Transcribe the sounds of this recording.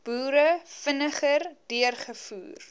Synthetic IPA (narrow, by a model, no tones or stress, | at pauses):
b̥uːɾəfənəχərdiərχəfṵːr